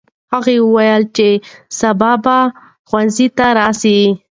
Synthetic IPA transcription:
haɣewəwajəlt͡ʃesabɑba | xwanzit̪aɾɑsi

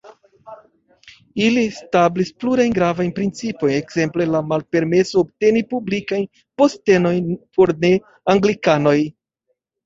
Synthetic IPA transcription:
ilistablispluɾajnɡɾavajnpɾint͡sipo̞jne̞kz̥e̞mple̞lamalpe̞ɾme̞soːb̚te̞nipublikajn | po̞ste̞no̞jnpʰo̞ɾne̞ | aŋɡlikano̞j

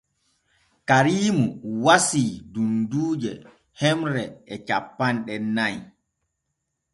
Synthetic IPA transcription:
kaɾiːmuwasidunduːd͡ʒɛ | hɛmɾɛɛt͡ʃapːanɗɛnaj

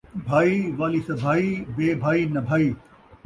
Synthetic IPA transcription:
bʱaːiʋaːlisɐbʱaːibeːbʱaːinɐbʱaːiː

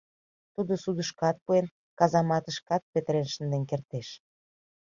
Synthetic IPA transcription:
t̪ud̪osud̪əʃkɑt̪̚puen | kɑzɑmɑt̪əʃkɑt̪̚pet̪əɾenʃənd̪enkert̪eʃ

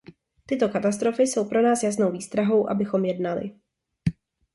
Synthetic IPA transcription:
t̪ɪt̪o̞kat̪ast̪ɾo̞fɪso̞wpɾo̞naːsjas̬nowviːst̪ɾaɦo̞wʔa̰bɪxo̞mjɛdnalɪ̰

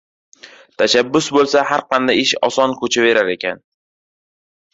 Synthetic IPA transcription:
t̪ʰaʃabːʊsbolˠsahaɾqʰɑnd̪ajɪʃɒ̰sɒnkʰɵt͡ʃʰave̞ɾaɾe̞kʲʰa̰n

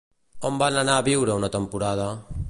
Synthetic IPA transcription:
ombananaːβiwɾəunat̪əmpuɾað̞a

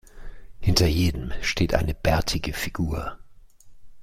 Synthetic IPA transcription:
hɪntɐjeːdəmʃtʰeːtʔa̰ɪnəb̥ɛɐtʰɪɡəfiɡ̥uːɐ

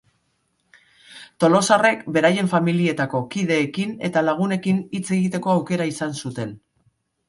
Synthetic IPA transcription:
t̪o̞lo̞sare̞kbe̞ɾaje̞ɱfamilie̞t̪ako̞kiðe̞ːkine̞̰t̪alaɣ̞une̞kinit͡se̞ɣ̞it̪e̞ko̞awke̞ɾaisansut̪e̞n

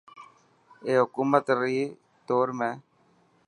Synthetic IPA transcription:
eːɦʊkuːmət̪ɾiː | t̪oːɾmẽː

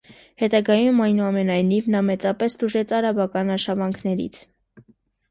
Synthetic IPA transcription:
hɛt̪ɑɡɑjumɑjnuɑmɛnɑjnivnɑmɛt͡sɑpɛst̪uʒɛt͡sʰɑɾɑbɑkɑnɑʃɑvɑŋkʰnɛɾḭt͡sʰ

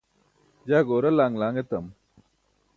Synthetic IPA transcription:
d͡ʑaːɡoːɾɐlaːŋlaːŋɡet̪ɐm

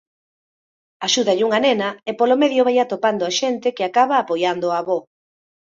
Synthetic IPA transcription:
aʃuðɐʎɪuŋanenɐepolomeðjoβajat̪opand̪oaʃent̪ɪkɪakaβaːpojand̪oaβo

